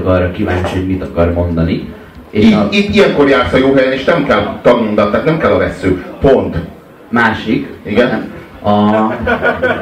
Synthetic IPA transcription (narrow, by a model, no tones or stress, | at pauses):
ɡɒrɒkiva̰ːɲt͡ʃioɟmit̪ɒkɒrmo̞nd̪ɒni | eːit̪ːijɛŋko̞rjaːrsɒjoːɦɛjɛneːʃnɛmkɛlt̪ɒɡmond̪ɒt̪ːaːt̪nɛmkɛlːɒvɛsːøːpo̞nt̪ | maːʃikiɡɛn | ɒ